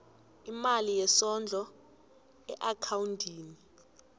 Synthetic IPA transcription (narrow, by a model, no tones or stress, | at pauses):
imalijɛsɔnd͡ɮʱɔ | ɛʔakʰawuntʰʼiːni